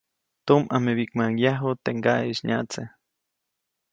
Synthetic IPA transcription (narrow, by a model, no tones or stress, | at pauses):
t̪omameβikmajaɦot̪eŋɡaiʃɲa̰t͡se